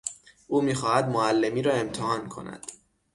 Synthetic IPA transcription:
ʔuːmiːxɒːhæd̪moælːe̞miːɾɒːe̞mt̪ʰehɒːnkʰo̞̰næ̰d̪̥

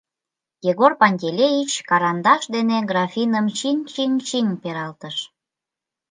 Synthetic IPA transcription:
jeɣorpɑnʲdʲelʲejit͡ɕkɑɾɑnd̪ɑʃd̪eneɡrɑfʲinəmt͡ɕiŋt͡ɕiŋt͡ɕiŋpeɾɑlt̪əʃ

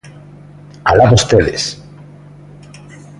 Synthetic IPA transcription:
alaβust̪eðḛs

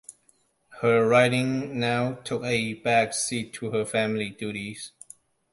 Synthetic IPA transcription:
həɹaɪɾɪ̃ŋnaʊtʰʊkəbæksitʰːuhəfæ̃mliduɾiz̥

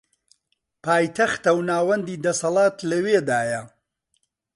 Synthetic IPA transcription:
pʰaːjt̪ʰɐxt̪ɐwnaːwɐnd̪iːd̪ɐsɐlˠɑːt̪lɐweːd̪aːjɐ

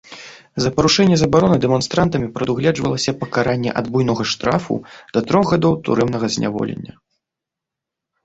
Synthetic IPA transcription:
zɐpɐɾuʂɛnʲːɛzɐbaɾɔnɨd̪ɛmɔnst̪ɾant̪ɐmʲipɾɐd̪uɣlʲɛd͡ʐvɐ̰lˠɐsʲɐpɐkaɾanʲːɛ̰ʔa̰d̪bujnɔɣɐʂt̪ɾafṵd̪̥ɐt̪ɾɔɣɣad̪ɔwt̪ṵɾɛmnɐɣɐzʲnʲa̰vɔ̰lʲḛnʲːɐ

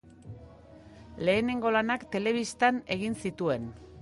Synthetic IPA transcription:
le̞ːne̞ŋɡo̞lanakt̪e̞le̞β̞ist̪ane̞ɣ̞insit̪ue̞n

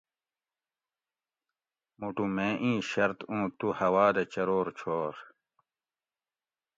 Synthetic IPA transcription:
muʈumẽːʔĩːɕɐɾt̪ũːt̪uhɐwaːd̪ɐt͡ɕɐɾoːɾt͡ɕʰoːɾ

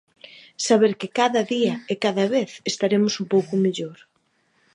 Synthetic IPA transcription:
saβ̞eɾkɪkaðɐðiɐekaðɐβeθest̪aɾemʊsumpowkʊmeʎoɾ

